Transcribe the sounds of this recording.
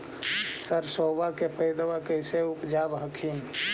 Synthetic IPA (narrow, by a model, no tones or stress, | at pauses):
səɾsoːbakepəɪd̪ʋakəɪseʊpd͡ʒaːbɦəkʰim